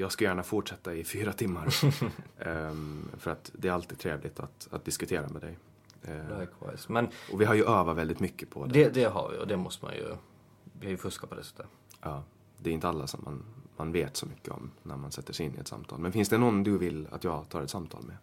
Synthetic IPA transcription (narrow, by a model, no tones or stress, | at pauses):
jɑːɡskajæːɳafʊʈʂɛt̪ːaɪfyːɾat̪ʰɪmːaɾ | fœɾat̪d̪ɛæɾalt̪iːd̚t̪ʰɾeːvlɪt̪ʰa̰t̪a̰t̪̚d̪ɪskɵt̪ʰeːɾamɛd̪ɛj | kʰva̰ɪsmɛnʔɔvɪɦaɾjɵʔøːvat̪vɛld̪ɪt̪mʏkːəpʰɔdd̪ɛd̪ɛɦa̰ɾvɪ̰ɔ̰d̪ɛmɔst̪əma̰njɵ̰ | vɪajɵfɵskapʰɔd̪ɛsɛ̥t̪ʰːə | ʔɑː | d̪ɛɛɾɪnt̪əalːasɔmːa̰nmanveːt̪sɔmʏkʰːəɔ̰mnæɾmansɛt̪ːəʂɛɪnːɪɛt̪sa̰mt̪ʰɑ̰ːlmɛnfɪnsd̪ɛnɔnd̪ɵvɪlːa̰t̪jɑːɡt̪ʰɑːɾɛt̪samt̪ʰɑ̰ːlmɛ